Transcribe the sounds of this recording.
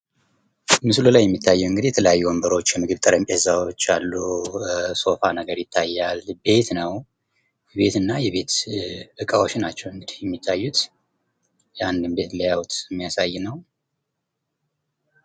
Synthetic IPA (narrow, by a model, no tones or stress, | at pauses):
mɨslulajːɛmːit̪ʰːajːɛɨŋɡɨd̪ijɛt̪ʰələjajːuwombəɾo̞t͡ʃːjɛmɨɡɨβt̪ʼɨɾəmpʼezawo̞t͡ʃːalːu | so̞fanəɡəɾjɪt̪ʰːajːalbe̞t̪nəw | jɛβe̞t̪ɨnːajɛβe̞t̪ɨkʼawot͡ʃːnat͡ʃːɛwɨŋɡɨd̪ihjɛmːit̪ʰːajːut̪ | jɛand̪ɨmbe̞t̪ljawut̪ɛmːijasajːnəw